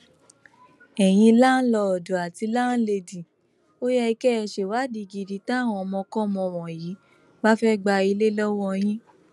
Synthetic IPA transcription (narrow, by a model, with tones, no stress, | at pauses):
ɛ˨j̃ĩ˧la˦n̩˦lɔ˧ɔ˨do˨a˨ti˧la˦n̩˦le˧di˨ | o˦jɛ˧i˧kɛ˦˧˨ʃe˨wa˨˦di˧ɡi˨di˨tã˦˨w̃ɔ̃˧ɔ˧mɔ̃˧kɔ̃˦˨mɔ̃˧˨w̃ɔ̃˨jiː˨˦ | ba˦fɛ˦ɡ͡ba˧i˧le˦lɔ˦wɔ˦j̃ĩ˦